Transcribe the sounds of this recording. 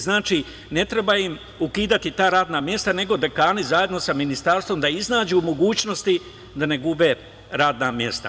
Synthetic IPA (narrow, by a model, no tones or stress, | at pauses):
znaːt͡ʃi | ne̞t̪ɾe̞baim | ukiːd̪at̪it̪aːɾaːd̪namje̞st̪ane̞ɡo̞d̪e̞kaːnizaje̞d̪no̞saminist̪aːɾst̪ʋo̞md̪aiznaːd͡ʑumo̞ɡuːt͡ʃno̞st̪i | d̪ane̞ɡube̞ | ɾaːd̪namje̞st̪a̰